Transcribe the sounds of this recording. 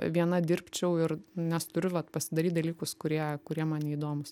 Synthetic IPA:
ʋʲiɛnɐd̪ʲɪɾʲpʲt͡ʃʲɛʊɪrnʲɛst̪ʊɾʲʊʋɐt̪pɐsʲɪd̪ɐɾʲiːt̪̚d̪ɐlʲiːkʊskʊɾʲiɛkʊɾʲiɛmɑːnʲɪiːd̪oːmʊs

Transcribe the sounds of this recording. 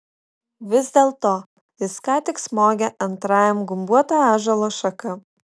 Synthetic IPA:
ʋʲɪzd̪ʲeːlˠt̪oː | ɪskɑːt̪ʲɪksmoːɡʲɛʔɐnt̪ɾɑːjɛmɡʊmbuɔt̪ɑːɑːʒɐlˠoːʃɐkɐ

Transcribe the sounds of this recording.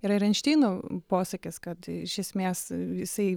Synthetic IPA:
ɪɾɪɾʲɛnʲʃʲt̪ʲiːnoːpoːsɐkʲɪskɐt̪ɪʃʲɛsʲmʲeːsɪsɐɪ

